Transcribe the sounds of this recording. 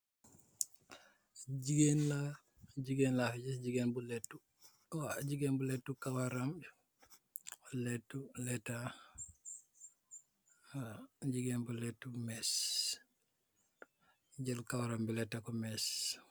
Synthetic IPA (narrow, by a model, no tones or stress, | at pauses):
d͡ʒiɡenla | d͡ʒiɡenlafd͡ʒisd͡ʒiɡenbulɛtːu | wad͡ʒiɡɛnbulɛtːukawaɾam | lɛtːulɛtːa | d͡ʒiɡɛnbulɛtːumɛs | d͡ʒɛlkawaɾambilɛtːakɔmɛs